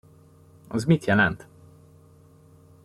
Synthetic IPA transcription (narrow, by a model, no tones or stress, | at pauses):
ɒzmit̪jɛlɛnt̪